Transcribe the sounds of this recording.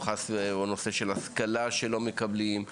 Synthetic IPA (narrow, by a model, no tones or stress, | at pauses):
χasono̞se̞ʃelaskalaʃelo̞mekablim